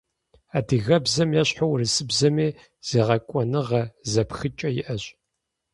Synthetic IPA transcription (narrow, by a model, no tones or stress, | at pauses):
aːdiɣɐbzɐmjaɕħowrɨsɨbzɐmeː | z̥eːʁɐkʷʼɔnɨʁɐzɐpxɨt͡ʃʼɐjɪʔɐɕʼ